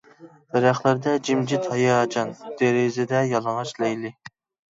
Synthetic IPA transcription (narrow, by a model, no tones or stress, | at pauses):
d̪̥ɛɾæχlˠæɾd̪ɛd͡ʒimd͡ʒit̪hɛjɑd͡ʒɑnd̪̥eɾɪzɪd̪ɛjɑlˠɑŋɑʃlɛjlɪ